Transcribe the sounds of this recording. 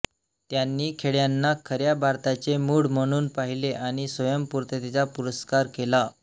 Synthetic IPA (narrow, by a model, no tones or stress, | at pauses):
t̪janːiːkʰeɽjanːakʰəɾjabʱaɾt̪at͡ɕemuːɽm̤əɽ̃uːnpaɦileʔaɽ̃isʋəjəmpuɾt̪ət̪it͡sapuɾəskaɾkela